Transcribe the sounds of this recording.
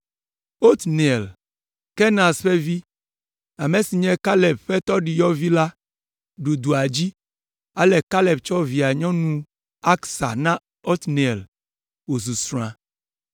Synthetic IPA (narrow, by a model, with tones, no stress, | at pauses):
o˦t̪ni˨ɛ˨l | kɛ˦nã˨sɸɛ˦vi˦ | a˨me˨si˨ɲɛ̃˦ka˦lɛ˨b̚ɸɛ˦t̪ɔ˦ɖi˨jɔ˦vi˦la˦ | ɖu˨d̪u˨a˨d͡ʑi˦ | a˦lɛ˨ka˦lɛ˨bt͡ʃɔ˦vi˨a˨ɲɔ̃˦nũ˦ | a˦ksa̰˨nã˦ | o˦t̪ni˨l | wo˨s̬u˨sɾ̃ã˨